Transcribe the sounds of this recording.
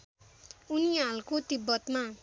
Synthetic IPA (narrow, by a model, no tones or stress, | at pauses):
unialkot̪ibːʌt̪ma